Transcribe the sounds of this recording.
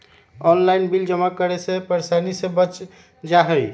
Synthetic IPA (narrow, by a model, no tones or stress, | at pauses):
ɔnlajnbild͡ʒəmːakəɾesẽpəɾsanisẽbət͡ʃ | d͡ʒaɦəj